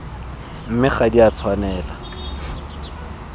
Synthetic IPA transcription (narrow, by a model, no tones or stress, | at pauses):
m̩mɪχadiat͡sʰwanɛːla